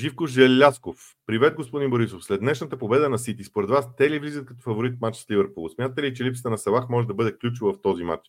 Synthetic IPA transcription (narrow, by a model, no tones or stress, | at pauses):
ʒifkoʒɛlːaskof | pːɾivɛt̪̚ɡospod̪inboɾisofslɛd̪d̪nɛʃnət̪əpobɛd̪ənɐsit̪ispoɾɛd̪vast̪ɛlivlʲizət̪̚kɐt̪ɔfɐvoɾit̪̚mat͡ʃslivəɾpulˠsmʲjat̪ət̪ɛlit͡ʃɛlipsə̥t̪ənɐsɐlˠaxmɔʒɛd̪ɐbɤd̪ɛklʲut͡ʃʊvəft̪ɔzima̰t͡ʃ